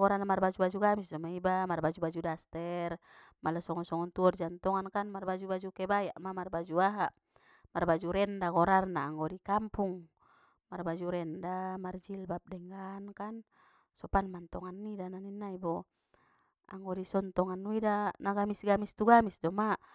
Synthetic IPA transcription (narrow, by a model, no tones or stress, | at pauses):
ɡɔɾanamarbad͡ʒubad͡ʒuɡamisdɔmaibamarbad͡ʒubad͡ʒudast̪ɛr | malasɔŋɔnsɔŋɔnt̪uɔrd͡ʒant̪ɔŋankanmarbad͡ʒubad͡ʒukɛbajaʔmamarbad͡ʒuaɦa | marbad͡ʒuɾɛndakɔɾarnaːŋɡɔdikampuŋ | marbad͡ʒuɾɛndamard͡ʒilbap̚dɛŋɡankan | sɔpanmant̪ɔŋanːidananinːaibɔ | a̰ŋɡɔdisɔnt̪ɔŋanːuidanaɡamisɡamist̪uɡamisdɔma